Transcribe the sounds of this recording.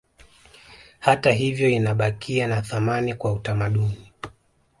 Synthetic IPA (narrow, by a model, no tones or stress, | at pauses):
hataɦivjɔinaɓakʰianaθamanikwautamaɗuni